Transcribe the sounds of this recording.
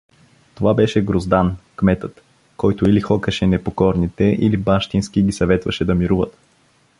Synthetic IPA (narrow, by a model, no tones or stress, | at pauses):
t̪ovabɛʃɛɡɾozd̪ankmɛt̪ɤt̪ | kɔjt̪oilixɔkəʃɛnɛpokɔɾnit̪ɛʔilibaʃt̪insk̟iɡʲisɐvɛt̪vɐʃɛd̪ɐmiɾuvət̪